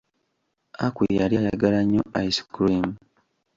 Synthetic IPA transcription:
akwijaljajaɡalaɲːo̰ʔaisi̥kulimu

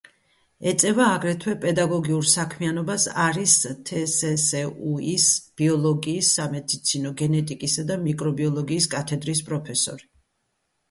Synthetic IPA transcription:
ɛt̪sʼɛvaːɡɾɛt̪ʰwɛpʼɛd̪aɡɔɡiuɾsakʰmianɔbasaɾist̪ʰɛsɛsɛuisb̥iɔlˠɔɡiːsːamɛd̪it̪sʰinɔɡɛnɛt̪ʼikʼisad̪amikʼɾɔbiɔlˠɔɡiːskʼat̪ʰɛd̪ɾispʼɾɔpʰɛsɔ̰ɾi

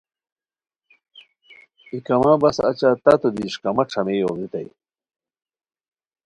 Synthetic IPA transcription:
ikɐmaːbɐsɐ̰t͡ɕaːt̪ɐt̪od̪iːʂkɐmɐʈ͡ʂʰɐmeːjoːɣit̪ɐ̰j

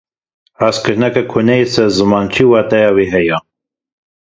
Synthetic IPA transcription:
askɨɾnɛkakʰunɛjesɛɾzɨmɑːnt͡ʃʰiːwɑːt̪ɛjɑwiɦɛja

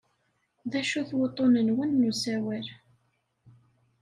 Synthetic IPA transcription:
ðæʃuθwot̪ˤːonənwənːusæwæɾ

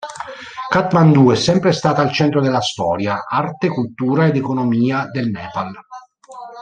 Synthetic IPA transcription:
kat̪mand̪uɛsːɛmpɾest̪aːt̪alt͡ʃɛnt̪ɾod̪elːast̪ɔːɾjaart̪ekult̪uːɾaed̪ekonomiːad̪elnɛːpal

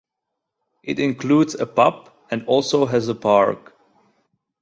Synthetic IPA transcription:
ʔɪɾɪ̃nkʰludzəpʌp | ɨ̃nɔlˠsoʊɦɨzəpʰɑɹk

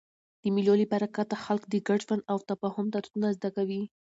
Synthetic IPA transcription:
d̪̥əmɪlolibaɾakat̪axalkd̪əɡaɖʒwand̪awt̪afɑhʊmt̪aɾt̪unazd̪akawi

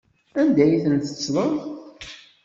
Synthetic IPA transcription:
ænd̪æjiθənθə̥t͡sːðˤən

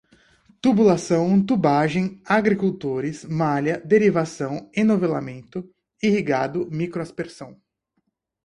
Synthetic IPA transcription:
t̪ubulasɐ̃w̃t̪ubaʒẽj̃aɡɾikuwt̪oɾɪsmalɐd̪eɾivasɐ̃w̃ẽnovela̰mẽnt̪ʊ | ihiɡad̪ʊmikɾoaspeɾsɐ̃w̃

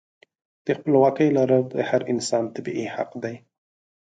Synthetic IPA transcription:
d̪̥əxpəlwɑkəjlaɾad̪ə̰haɾɪnsɑnt̪abiʔiha̰qd̪aj

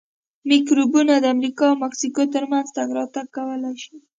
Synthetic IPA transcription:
mikɾubunad̪əamɾikɑawmaksikot̪əɾmanzt̪aɡɾɑt̪aɡːawəlajʃi

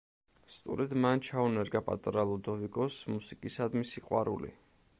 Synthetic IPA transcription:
st̪ʼṵɾɛd̪mant͡ʃʰaunɛɾɡapʼa̰t̪ʼɾalˠɔd̪ɔvikʼɔsmusikʼisad̪misiqʼwa̰ɾṵlḭ

